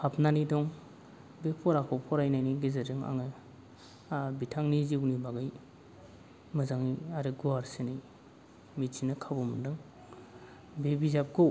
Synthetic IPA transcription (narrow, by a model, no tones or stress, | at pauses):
pʰapnanidɔŋ | bepʰɔɾakʰɔpʰɔɾajnajniɡezɯɾɯŋa̰ŋɯ | bitʰaŋniziwnibaɡɯj | mɯzaŋiaɾɯɡuaɾsenij | mit͡ʃinɯkʰabɔmɯdɯŋ | bebizap̚ɡow